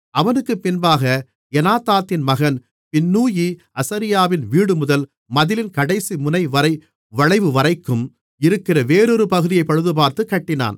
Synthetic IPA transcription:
ʔɐʋɐnɯkːɯpːɪnbaːɣɐ | ɛnaːt̪aːt̪ːɪnmɐɣɐn | pɪnːuːji | ɐsɐɾɪjaːʋɪnʋiːɽɯmʊðɐl | mɐðɪlɪnkɐɽɐɪsimʊnɐɪʋɐɾɐɪ | ʋɐɻɐɪʋɯʋɐɾɐɪkːɯm | ɪɾɯkːɪrɐʋeːɾɔɾɯpɐɣɯðɪjɐɪpːɐɻɯðɯp̬aːɾt̪ɯkːɐʈːɪna̰ːn

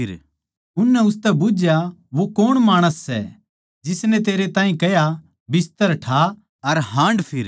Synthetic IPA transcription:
ɪɾ | ʊnːɛʊst̪ɛbʊd͡ʒjaʋokoːɽ̃maːɽ̃əsːɛ̰ | d͡ʒɪsnɛ̃t̪eːɾet̪ãːĩkɛja | bɪst̪əɾʈʰa | ɐɾɦãːɳɖpʰɪɾ

